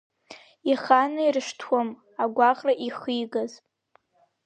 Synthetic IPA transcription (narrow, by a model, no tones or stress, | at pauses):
iχanɨirɨʂtʰwam | aɡʷaqʼraʔiχijɡaz